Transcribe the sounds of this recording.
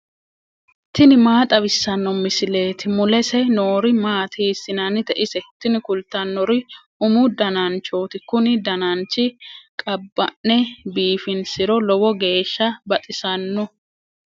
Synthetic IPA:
t̪ːɪnɪmaːt̪ʼɐβɪsːɐnːɔmɪsɪle̞ːt̪ɪmʊlɛsɛnoːɾɪmaːt̪ʰiːsːɪnɐnɪt̪ɛʔɪsɛt̪ːɪnɪkʊlt̪ːɐnːɔɾɪʔʊmʊd̪ɐnant͡ʃo̞ːt̪ɪkʊnɪd̪ɐnant͡ʃːɪkʼɐbːɐnːɛbiːfɪnsɪɾɔlɔwɔɡe̞ːʃːɐbɐt̪ʼɪsɐnːɔ

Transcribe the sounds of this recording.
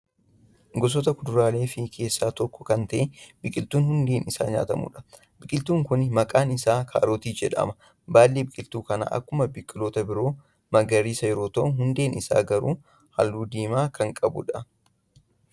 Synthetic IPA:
ɡɔs̬ɔt̪ɐkʊd̪ʊɾaːle̞ːfɪkʰe̞ːsːaːt̪ɔkːɔ̥kɐnt̪ɐʔɪb̥ɪkʼɪlt̪uːnhʊnd̪e̞ːnɪsa̰ːɲa̰ːt̪ɐmṵːᶑɐ̥ | bɪkʼɪlt̪uːŋkʊnmɐkʼaːnɪsaːkʰa̰ːɾoːt̪iːd͡ʒɛᶑɐ̰mɐ | baːlːeːbɪkʼɪlt̪uːkɐna̰ːʔɐ̰kːʊmɐbɪkʼːɪloːt̪ɐbɪɾo̞ː | mɐɡɐɾiːsɐjɛɾo̞ːt̪ɐʔʊnɦʊnd̪e̞ːnɪsa̰ːɡɐɾuː | hɐ̰lːuːd̪iːmaːkʰɐŋkʼɐbʊ̰ᶑɐ

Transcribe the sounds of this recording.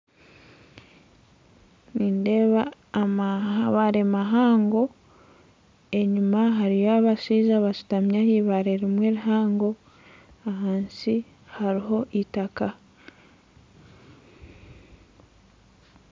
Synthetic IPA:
niːnde̞ːβa | maaβaɾemaɦaːŋɡo̞ | e̞ɲumaɦaɾijaβaʃiːzaβasu̥tamɲahiβaɾeɾimweːɾuɦaːŋɡo̞ | aɦaːnsi | haɾiɦo̞ʔitaka

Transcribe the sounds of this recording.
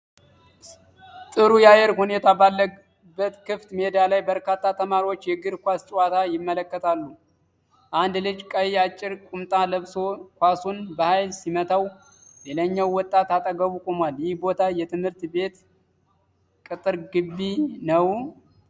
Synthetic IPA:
t̪ʼɨɾujajɛɾhune̞t̪ʰabalːə | bːət̪kʰɨft̪med̪alajbəɾkat̪ʰːat̪ʰəmaɾio̞t͡ʃːjɛɡɨɾkʷast͡ʃʼwat̪ʰajɪmːələkːət̪ʰalːu | ʔand̪lɨd͡ʒkʼəjat͡ʃʼːɪɾkʼumt̪ʼaləβso̞kʷasunbəhajlsimət̪ʰaw | leləɲːawːɔt̪ʼːat̪at̪ʼəɡəβukʼomwaljɪhbo̞t̪ʰajɛt̪ʰɨmhɨɾt̪be̞t̪ | kʼɨt̪ʼɨɾɡɨbːinəw

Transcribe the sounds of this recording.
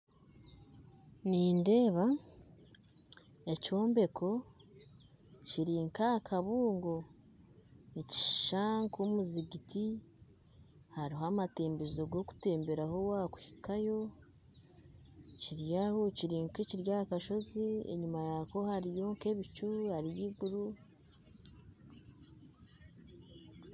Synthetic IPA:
niːnde̞ːβa | eco̞ːmbe̞ko̞ | ciɾiŋkakʰaβuːŋɡo̞ | nici̥ʃaːŋkomuziɡiti | haɾiɦoamate̞ːmbezoɡo̞ku̥te̞ːmbe̞ɾaɦo̞wakwu̥hi̥kajo̞ | ciɾjahociɾiŋkiciɾjakaʃo̞ziḛɲumajako̞haɾijo̞ːŋkeβit͡ʃuhaɾijiɡuɾu

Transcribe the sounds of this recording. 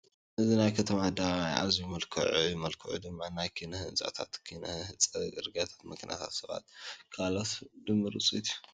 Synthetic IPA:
ʔɨzinajkʰɐt̪ʰɐmad̪aajʔa̰zujmɐlkʰɐ̰ʕujɪmɐlkʰɐʕṵd̪ɨmːanajkʰɨnɐhɨt͡sʼa̰t̪ʰa̰t̪kʰinɐhhɨt͡sʼɐɡɨɾɡat̪ʰḁt̪mɨknija̰t̪ʰa̰t̪sɐβa̰t̪kʰalot̪d̪ɨmːɨɾɨt͡sʼit̪ʰu

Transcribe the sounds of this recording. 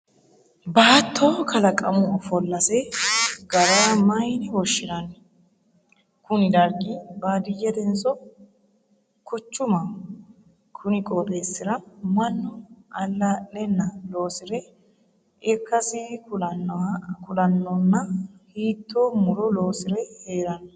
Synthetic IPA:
baːt̪ʰːoːkʰɐlɐkʼɐmʊɔfɔlːɐsɛɡɐɾaːmɐjnɪwɔʃːɪnɐn | kʊnɪd̪ɐɾɡʼɪbaːd̪ɪjːɛd̪ɛnsɔ | kʊt͡ʃːʊmɐ | kʰʊnɪkʼɔɾʼeːsːɪɾɐmɐnːʊɐlːɐlɛnːɐlo̞ːsɪɾɛ | ɪkːɐsɪʊ | kʊlɐnːɔnːɐhiːt̪ːoːmʊɾɔlo̞ːsɪɾɛhe̞ːɾɐn

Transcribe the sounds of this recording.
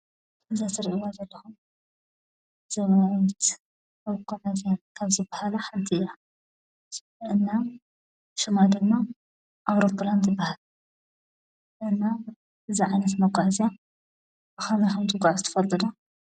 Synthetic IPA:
ɨzasɨɾʕiwazɐlːɐxum | z̥ɐmanɐt̪ | mɐwkʼːoʕazijankʰaβzɨbːahalaħant̪ʰiɨja | ʔɨnːa | ʃɨmad̪ɨmːa | ʔaβɾopʰːland̪zɨbːahal | ʔɨnːa | ʔɨziʕajnɐt̪mɐkʼaʕzija | bɨxamaxant̪ʰɨɡʼaʕzɨt̪ʰɐ̥fɐlt̪ʼɨd̪ɐ

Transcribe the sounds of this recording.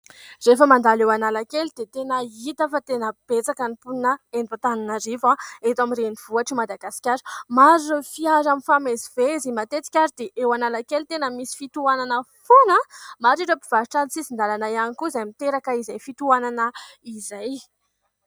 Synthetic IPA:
refəmand̪alewanalakelid̪̥et̪enəit̪afat̪enəb̥et͡sakanipunəenat̪aninaɾivaet̪amiɾeniv̥uaʈ͡ʂimad̪aɡasi̥kʲaɾmaɾiofiaɾaminfamezivezimat̪et͡si̥kʲaɾid̪eʔewanalakelt̪enəmisi̥fit̪uananəfonəmaʈ͡ʂiʈ͡ʂəpiv̥aɾiʈ͡ʂanisizind̪alanajanikuizajmit̪eɾakaizajfit̪uananəizaj

